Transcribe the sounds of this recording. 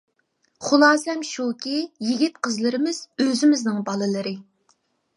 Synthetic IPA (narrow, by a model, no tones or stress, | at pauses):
χʊlˠɑːsɛmʃukʲijiɡʲit̪̚qʰəzlˠɨɾɨmɨz̥øzɪmɪznɪŋbɑlˠɨlˠɨɾɨ